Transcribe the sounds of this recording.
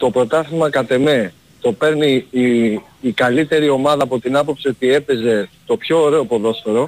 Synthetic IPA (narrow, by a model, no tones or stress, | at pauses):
t̪o̞pɾo̞t̪ɐθimɐkɐt̪e̞me̞ | t̪o̞pe̞ɾni | kɐlit̪e̞ɾio̞mɐðɐːpo̞t̪inɐpo̞psio̞t̪ie̞pe̞ze̞t̪o̞pço̞ːɾe̞o̞po̞ðo̞sfo̞ɾo̞